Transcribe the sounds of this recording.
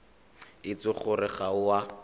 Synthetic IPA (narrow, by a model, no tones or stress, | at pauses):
ɪt͡sʊχʊrɪχaʊwa